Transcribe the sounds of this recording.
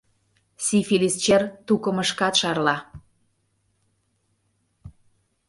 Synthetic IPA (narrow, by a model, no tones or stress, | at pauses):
sifilist͡ɕert̪ukə̆məʃkɑt̪ʃɑrlɑ